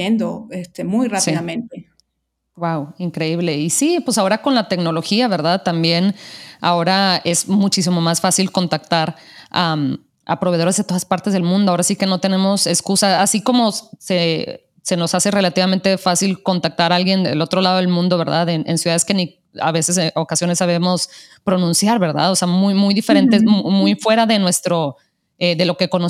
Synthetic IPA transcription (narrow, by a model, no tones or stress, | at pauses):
end̪oest̪emujrasiðamẽnt̪e | wawiŋkɾe̞iβle̞isipwe̞sao̞ɾako̞nlat̪e̞kno̞lo̞xiaβe̞ɾðaðt̪ambje̞na̰o̞ɾae̞zmut͡ʃis̬imo̞masfasilko̞nt̪akt̪aɾam | a̰pɾo̞βe̞ð̞o̞ɾezðet̪o̞ðaspaɾt̪e̞zð̞elmũnd̪oao̞ɾasike̞no̞t̪e̞ne̞mo̞se̞skusaːsiko̞mo̞se̞ | se̞no̞sase̞re̞lat̪iβament̪e̞fasilko̞nt̪ak̚t̪aɾaalɣje̞nd̪elo̞t̪ɾo̞laðo̞e̞lmũnd̪o̞βe̞ɾðaðenʔḛnsjuðaðeske̞ni | a̰βe̞se̞s̬eo̞kasjo̞ne̞sːaβe̞mo̞spɾo̞nũnsjaɾβe̞ɾða̰ðo̞se̞amujmujðifeɾe̞nt̪emujfwe̞ɾaðe̞nwe̞st̪ɾo̞ | eðe̞lo̞ke̞ko̞no